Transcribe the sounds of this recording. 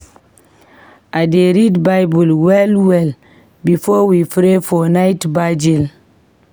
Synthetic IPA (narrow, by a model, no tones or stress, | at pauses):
ʔadeɾidbajbulwɛlwɛl | bifɔwifɾefɔnaɪtbad͡ʒil